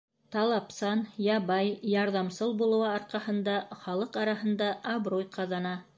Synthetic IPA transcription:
t̪ɑlˠɑpsɑnjɑβɑjjɑɾðɑmsɤlˠbulˠɤ̆wɑɑɾqɑhɤ̆nd̪ɑχɑlˠɤqɑɾɑɦɤ̆nd̪ɑʔːβɾojqʰɑðɑnɑ

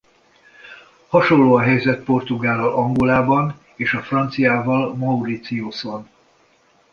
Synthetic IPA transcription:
hɒʃo̞lːoːɒɦɛjzɛt̪̚po̞rt̪uɡaːlːɒlɒŋɡolaːbɒn | eːʃɒfrɒnt̪sijaːvɒlmɒuɾit̪sioson

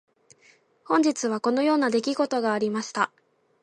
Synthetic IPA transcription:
hõ̞ɲ̟d͡ʑit͡sɨβ̞ako̞no̞jo̞ːnad̪e̞kʲiɡo̞t̪o̞ɡaːɾʲimaɕi̥t̪a

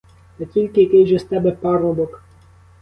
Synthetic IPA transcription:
t̪ɛtʲilʲkɪjɐkɪjʒɛst̪ɛbɛpɑɾɔbɔk

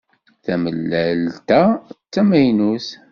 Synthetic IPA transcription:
θæməlːælt̪æt͡sːæmæjnus

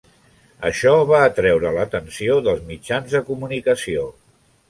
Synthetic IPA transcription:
ə̰ʃɔβaːt̪ɾɛwɾələt̪ənsioðəlˠzmid͡ʒanzðəkumunikəsio

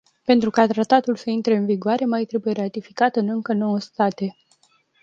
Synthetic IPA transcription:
pe̞nt̪ɾukat̪ɾat̪at̪ulsəint̪ɾeɨnviɡoaɾe̞majt̪ɾe̞buje̞ɾat̪ifikat̪ɨnɨŋkəno̞wəst̪at̪e̞

